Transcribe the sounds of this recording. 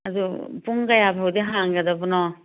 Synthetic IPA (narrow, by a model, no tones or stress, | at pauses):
ɐdupuŋkajabʰawdiɦaŋɡɐdɐbunɔ